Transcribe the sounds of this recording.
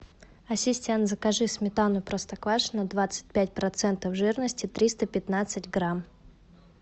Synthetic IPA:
ɐsʲɪsʲtʲent̪zəkɐʐɨsʲmʲɪt̪anʊpɾost̪ɐkvaʂnɐd̪vat̪sɨ̥t̚ʲpʲætʲpɾɐt̪sɛnt̪əfʐɨɾnəsʲtʲɪt̪ɾʲist̪əpʲɪt̪nat̪sɨtʲɡɾam

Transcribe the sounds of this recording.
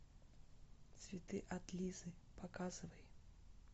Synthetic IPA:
t̪svʲit̪ɨʔat̪lʲizɨpakazɨvəjɪ

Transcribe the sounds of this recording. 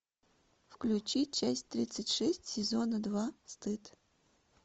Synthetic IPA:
fklʲʉt͡ɕit̚ʲt͡ɕæsʲtʲt̪ɾʲit̪sɨtʲʂɛsʲtʲsʲɪzonəd̪vast̪ɨt̪

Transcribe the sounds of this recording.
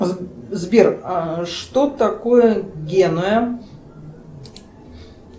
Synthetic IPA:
zbʲeraʂt̪ot̪ɐkojəɡʲenojə

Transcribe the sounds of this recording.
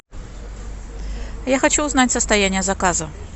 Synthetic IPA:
jaxɐt͡ɕuːznatʲsəst̪ɐjænʲɪjəzɐkazə

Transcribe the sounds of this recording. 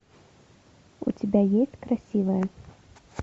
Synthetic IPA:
ṵt͡sʲɪbʲajesʲtʲkɾasʲivɐjɐ

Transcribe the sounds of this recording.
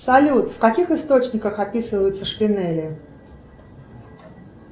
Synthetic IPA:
salʲut̪fkakʲixɨst̪ot͡ʃnʲikəxapʲisɨvəjʊt̪sːəʂpʲinɛlʲɪ

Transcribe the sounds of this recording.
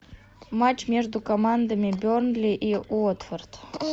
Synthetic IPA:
mat͡ɕmʲeʐd̪ukɐmand̪ɐmʲɪbʲornlʲiʔiot̪fʲert̪

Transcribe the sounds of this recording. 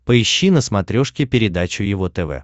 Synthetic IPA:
pəɪɕːinəsmɐt̪ɾʲoʂkʲɪpʲɪɾʲɪd̪at͡ɕʊjɪvot̪ɛvɛ̰

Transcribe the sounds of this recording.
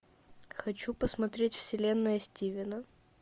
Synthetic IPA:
xɐt͡ɕupəsmɐt̪ɾʲetʲfsʲɪlʲenːɨjəsʲtʲivʲɪnə

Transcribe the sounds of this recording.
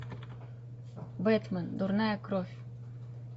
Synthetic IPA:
bɛt̪mənd̪uɾnajəkɾofʲ

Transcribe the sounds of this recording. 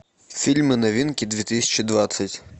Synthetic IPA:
fʲilʲmɪnɐʋʲinkʲid̪ʲʋʲit̪ɪsʲɐ̥t͡ʃid̪ʋat̪sʲɐtʲ

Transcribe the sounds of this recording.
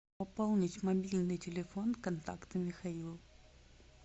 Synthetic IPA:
ɐpolˠnʲɪtʲmɐbʲilʲnɨjtʲɪlʲɪfo̞nkɐnt̪a̰kt̪ɨmʲɪxɐilˠ

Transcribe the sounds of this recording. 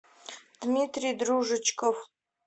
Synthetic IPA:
d̪̥mit̪rijd̪ruʐɨt͡ʃkʰof

